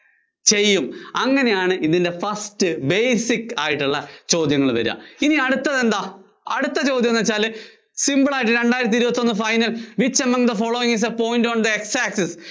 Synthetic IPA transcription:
t͡ɕe̞jːumɐŋːɐne̞jaːɳɨʔiðinde̞fɐstɨbejsikːaːjiʈːuɭːɐt͡ɕo̞ːd̪jɐŋːɐɭʋɐ̰ɾa̰iniɐɽut̪ːɐðe̞nd̪aː | ɐɽut̪ːɐt͡ɕo̞ːd̪jɐnːɐt͡ɕːaːlɨ | simbɨɭaːjiʈ̬ːɨɾe̞ɳɖaːjiɾɐt̪iɾubɐt̪ːo̞nːɨfɐjnɐlʋit͡ɕːɐmːɐŋd̪ɐfo̞ːɭoːiŋis̬ɐpo̞ːjndoɳɖðɐeksaːkses

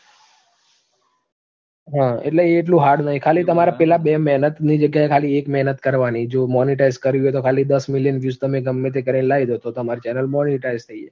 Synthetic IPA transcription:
ɦãḛʈleːʈ̬lũɦaɽnət̪ʰikʰalit̪əmaɾapɛlabemɛɦnət̪nid͡ʒəɡjaekʰaliekmɛɦnət̪kəɾʋanid͡ʒomɔniʈaizkəɾjũɦet̪okʰalid̪əsmiljənʋjust̪əmeɡəmːet̪̬ʰekəɾinelaid̪ot̪ot̪əmaɾit͡ʃɛnəlmɔniʈaizt̪ʰəie

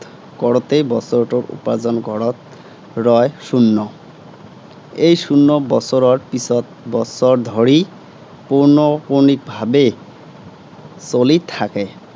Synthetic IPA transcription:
kɔɽɔt̪ejbɔsɔɾɔʈɔɾṵpad͡zɔnɡʱɔɽɔt̪ | ɾɔeʃunːɔ | ejʃunːɔbɔsɔɾɔɾpisɔt̪̚bɔsɔɾd̪ʱɔɾi | puɾnɔpuɾnik̚bʱabe | solit̪ʰake

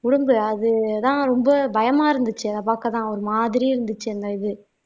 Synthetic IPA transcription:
kʊɽʊmbɯɐðɯt̪ãːɾɔmbɐbɐjɐmaːɪɾɯnd̪ɯt͡ʃːɯɐnðɐpaːkːɐt̪ãːɔɾɯmaːðɪɾiɪɾɯnd̪ɯt͡ʃːɯɛnd̪aːɪðɯ

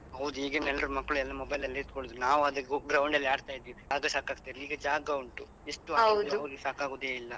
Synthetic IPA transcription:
ɦɐwd̪uiːɡɐnɛlːɾumɐkːɭuɛlːɐmɔbɐjlɐlːɐit̪koɭod̪unaːʋuɐd̪ɐɡɾɐwɳɖɐlːiaːɖt̪aːjid̪ːiʋid͡ʒaːɡɐsaːkaːɡ̚t̪iːɾliːɡɐd͡ʒaːɡɐuɳʈu | eʂʈːuaɐwd̪ɐʋɐɾɡesaːkaːɡoːd̪eːilːɐ

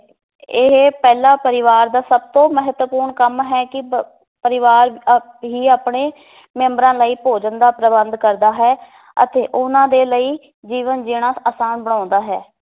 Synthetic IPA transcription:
ɪɦpɛːlaːpəɾɪʋaːɾd̪aːsəb̚t̪õːməɦət̪wəpuːɾɳkəmɦɛːkɪ | pəɾɪʋaːɾ | ɦiːaːpɳeː | mɛ̃ːmbɾãːləiːpoːd͡ʒənd̪aːpɾəbənd̪kəɾd̪aːɦɛː | ə̰t̪eːʔʊnãːd̪eːləiː | d͡ʒiːʋənd͡ʒɪːɽ̃aːaːsaːnbəɽ̃ãːnd̪aːɦɛː

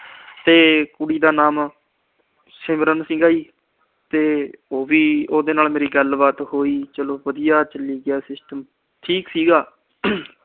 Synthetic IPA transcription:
t̪eːkʊɽiːd̪aːnaːm | sɪmɾənsɪ̃ŋɡaːiː | t̪eːoːʋiːoːd̪eːnaːlmeːɾiːɡəlbaːt̪ɦoːiːt͡ʃəloːʋəd̪ijaːt͡ʃəliːɡɪjaːsɪsʈəm | ʈʰiːksiːɡaː

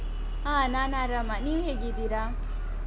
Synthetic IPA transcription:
ananaɾamaniuɦeɡid̪iɾa

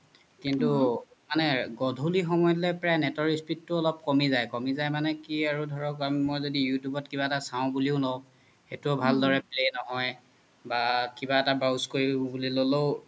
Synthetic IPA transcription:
kintu | manɛɡɔdʱulixɔmɔjɔtlɛpɹajnɛtɔɹispitːʊɔlɔp̚kɔmizajkɔmizajmanɛkiaɹudʱɔɹɔkammɔjzodijutjubɔt̚kibaɛtasaʊ̃buliʊnɔ̃ | xetuɔbʱaldɔɹɛplenɔɦɔj | bakibaɛtabawskoɹibuliloloʊ

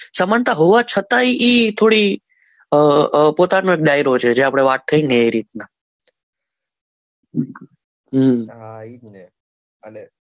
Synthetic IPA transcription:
səmant̪aɦoʋat͡ʃʰət̪aiʔit̪ʰoɽi | əpot̪anõek̚ɖajɾot͡ʃʰed͡ʒeapɽ̃eʋat̪̚t̪ʰːəjneeɾit̪̚na | ɦ | n | əle

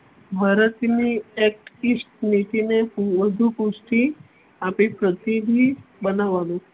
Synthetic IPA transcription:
bʱaɾət̪niek̚ʈisʈnit̪ineʋəd̪ʱupusʈi | apipɾət̪id̪ʱibənaʋanũ

